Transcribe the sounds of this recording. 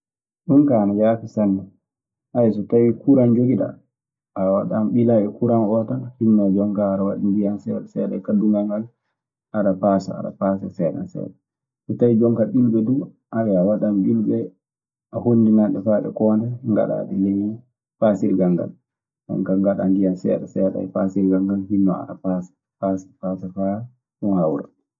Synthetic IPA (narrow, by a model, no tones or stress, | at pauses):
ɗunkanajafisanːɛ | ʔajɛsɔtawikuɾand͡ʒoɡiɗa̰ | awaɗamɓilaɓɛkuɾanɔtahinːad͡ʒɔŋkaːɾawa̰ɗidijansɛwɗsɛɗɛ̰kadːuŋɡaŋɡal | ʔaɾapasa̰a̰ɗa̰pasasɛɗa̰nsɛ̰w̰ɗɛ | sɔtawid͡ʒɔŋkaɓilɓɛdu | ʔawɛawaɗambilɓɛ | ʔahonːdinanɗɛfaɗɛ̰kɔːndɛŋɡa̰ɗa̰ɗɛleji | fasiɾɡaŋɡa̰l | ʔɔ̰ŋkaŋɡaɗandijansɛ̰ɗɛsɛɗa̰ɛpasiɾɡaŋɡalhinːɔa̰ɗapasḁ | paːsḁpasafa | unhawɾa̰